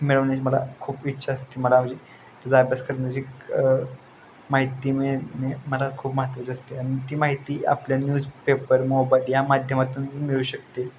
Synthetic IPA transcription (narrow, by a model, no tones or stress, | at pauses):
miɭəʋnat͡ɕːməla̰kʰuːpitːɕʰaəst̪iːməlaməd͡ʑe | t̪ad͡zaːbjaskəɾnəd͡ʑik | maɦit̪imeneməlakʰuːpməɦət̪ʋət͡ɕəst̪eanit̪iːmaɦit̪iːa̰pljanjuːd͡zpepəɾmobajljamad̪ʱjəmat̪uːniːmiɭuːɕək̚t̪e